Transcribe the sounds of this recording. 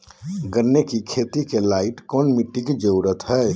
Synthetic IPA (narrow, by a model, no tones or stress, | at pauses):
ɡəɾnekikʰet̪ikelaiʈkɔnmiʈːiked͡ʒəʊɾət̪ɦɛ